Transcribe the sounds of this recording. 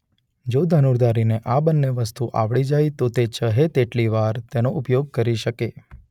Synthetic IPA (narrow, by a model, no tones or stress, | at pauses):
d͡ʒod̪ʱənuɾd̪ʱaɾineʔabənːeʋəst̪uʔaʋɭid͡ʒajit̪ot̪et͡ʃəɦet̪eʈliʋaɾt̪enoʔupjoɡ̚kəɾiʃəke